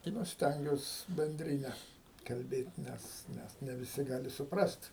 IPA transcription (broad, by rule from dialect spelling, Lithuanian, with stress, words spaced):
tɐɪ ˈnʊ ˈsʲtʲɛŋʲɡʲuɔs bʲɛnʲˈdʲrʲɪnʲɛ kɐlʲˈbʲeːtʲ ˈnʲɛs ˈnʲɛs nʲɛ ʋʲɪˈsʲɪ ˈɡɑːlʲɪ sʊˈprɐsʲtʲ